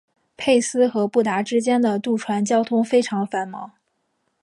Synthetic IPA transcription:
pʰe˥˩ɪsɹ̩˥xɤ˧˥pu˥˩t̪a˧˥ʈ͡ʂɻ̩˥t͡ɕjɛ˥nd̪ə˨t̪u˥˩ʈ͡ʂʰwa˧˥nt͡ɕjɑ˥ʊt̪ʰʊ˥ŋfe˥ɪʈ͡ʂʰɑ˧˥ŋfa˧˥nmɑ˧˥ŋ

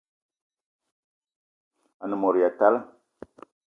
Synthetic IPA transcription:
a˨nə˨mɔ˨ɾi˨ja˨ta˦l

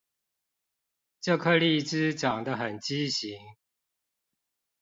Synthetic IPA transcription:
ʈ͡ʂɤ˥˧kʰɤ˥˧li˥˩ʈ͡ʂɻ̩˥ʈ͡ʂɑ˨˩ŋd̪ə˦xə˨˩nt͡ɕi˦ɕi˨˦ŋ

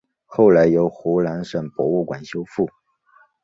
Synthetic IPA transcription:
xo˥˩ʊla˧˥ɪjo˧˥ʊxu˧˥la˧˥nʂə˨˩ŋpwɔ̰˧˥u˥˩kwa˨˩nɕjo˥ʊfu˥˩

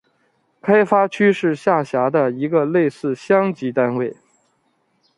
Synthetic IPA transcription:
kʰa˥ɪfa˥t͡ɕʰy˥ʂɻ̩˥˧ɕja˥˩ɕja˧˥d̪ə˧i˧˥ɡə˧le˥˧ɪsɹ̩˥˩ɕjɑ˥ŋt͡ɕi˧˥t̪a˥nwe˥˩ɪ

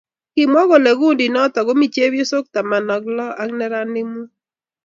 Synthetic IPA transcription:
kɪ˨m˦ɔ˦ɣo˨le˨ɡu˦˨ndi˨nɔ˦tɔ˨ɣo˦mi˨t͡ʃe˦wjo˦so˦k̚ta˨ma˨nɔ˨klɔ˦a˦ŋnɛ˦ɾa˦nɪ˦mu˦

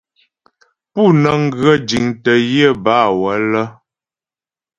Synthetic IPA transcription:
pu˦˨nə˨ŋ̩˦ɡɰə˦d͡ʒi˨ŋtə˨jə˦˨ba˦˨wə˨˦lə˦

